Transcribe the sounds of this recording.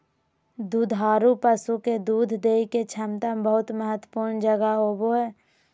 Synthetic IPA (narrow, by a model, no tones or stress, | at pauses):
d̪uːd̪ʱɦaːɾupəsuked̪uːd̪ʱd̪eːiket͡ʃʰəmt̪əbəɦʊt̪məɦət̪wəpuːɾnd͡ʒəɡaɦoboɦɛː